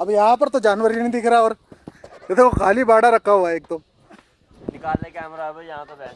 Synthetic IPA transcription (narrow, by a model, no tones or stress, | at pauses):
əbjɦãːp̬əɾt̪õːd͡ʒaːnʋəɾinĩːd̪eːkʰɾaːoːɾ | ɪt̪ʰeokʰaːliːbaːɽaːɾəkʰːaːɦoːaːɪk̚t̪õː | nɪkaːleːkɛːmɾaːbjɦãːt̪o